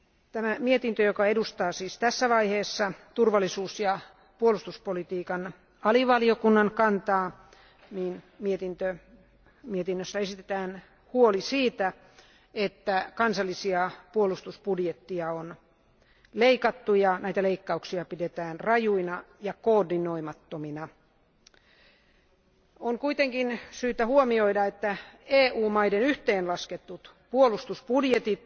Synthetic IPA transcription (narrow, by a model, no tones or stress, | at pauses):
t̪æmæmiet̪int̪øjokɑedust̪ɑːsiːst̪æsːæʋɑiheːsːɑt̪urʋɑlːisuːsjɑ | puolust̪uspolit̪iːkɑn | ɑliʋɑliokunːɑŋkɑnt̪ɑː | niːn | miet̪int̪ø | miet̪inːøsːæesit̪et̪æːn | huolisiːt̪æ | et̪ːækɑnsɑlːisiɑpuolust̪uspudjet̪ːiɑon | leikɑt̪ːujɑnæit̪æleikːɑuksiɑpidet̪æːnrɑjuinɑjɑkoːrdinoimɑt̪ːominɑ | oŋkuit̪eŋkinsyːt̪æhuomioidɑet̪ːæeːʔuːmɑidenyht̪eːnlɑsket̪ːut̪ | puolust̪uspudjet̪it̪